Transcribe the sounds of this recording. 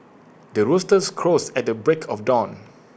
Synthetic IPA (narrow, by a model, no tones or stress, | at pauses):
dəɹostəskʰɹosɛt̚dəbɹekʰɔfdɔ̃n